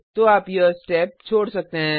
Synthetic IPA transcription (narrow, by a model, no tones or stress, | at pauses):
t̪oaːpjəsʈɛːp̚t͡ʃʰoːɽsɐk̚t̪eɦɛ̃